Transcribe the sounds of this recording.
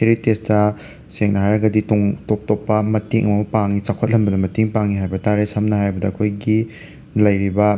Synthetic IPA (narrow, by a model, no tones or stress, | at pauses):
heɾitestɐ | seŋnɐɦajɾɐɡɐditoŋtop̚topːɐmɐtiŋʔɐmɐmupaŋːit͡ʃakʰot̚lɐmbɐdɐmɐtiŋpaŋːiɦajbɐtaɾesɐmnɐhajbɐdɐɐkʰojɡi | lɐjɾibɐ